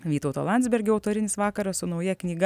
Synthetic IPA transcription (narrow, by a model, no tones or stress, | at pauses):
ʋʲiːt̪ɐʊt̪o̰lˠɑˑnd̪zbʲɛɾʲɡʲʊɐʊt̪oːɾʲɪnʲɪsʋɑːkɐɾɐssʊnɒʊjɛknʲiːɡ